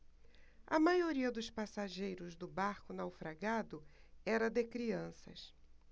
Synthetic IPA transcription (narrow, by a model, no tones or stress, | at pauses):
ɐmajoɾiɐd̪ʊspasaʒejɾʊzd̪ʊbaɾkʊnawfɾaɡad̪ʊ | ɛɾɐd̪ekɾiɐ̃sɐ̰s